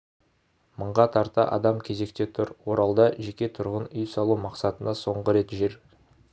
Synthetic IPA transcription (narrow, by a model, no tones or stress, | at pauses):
məɴʁɑt̪ʰɑɾt̪ɑ̰ʔɑ̰d̪ɑmkʲʰe̞ze̞k̚t̪e̞t̪ʰʊɾwo̞ɾɑlˠd̪ɑʒe̞kʲe̞t̪ʰʊɾʁənʏjsɑlˠumɑqsɑt̪ənɑso̞ɴʁəɾe̞t̪ʒe̞ɾ